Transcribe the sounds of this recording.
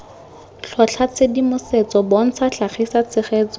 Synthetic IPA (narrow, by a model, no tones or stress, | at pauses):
ɬʰɔɬʰat͡sʰedimʊset͡sɔbon̩t͡sʰaɬaχisat͡sɪχeːt͡sɔ